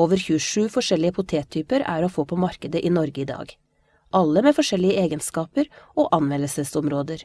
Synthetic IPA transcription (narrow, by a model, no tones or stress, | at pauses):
oːʋəɾçʉəʂʉːfɔʂɛlɪəpʰʊt̪ʰeːt̪ʰyːpəɾæ̰ɾoːfoːpʰɔmɑɾkəd̪əʔiːnɔɾɡəɪd̪ɑ̰ːɡ | ʔɑlːəmeːfɔʂɛlːɪəeːɡənskɑːpəɾʔoːʔɑnʋɛnəsəsɔmɾoːd̪əɾ